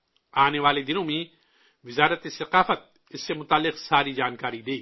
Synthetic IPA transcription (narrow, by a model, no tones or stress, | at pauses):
aːneʋaːled̪ɪnõmẽ | ʋɪzaːɾət̪esɐqaːfət̪̚ | ɪsːemʊt̪aːlːɪqsaːɾid͡ʒaːnkaːɾid̪eː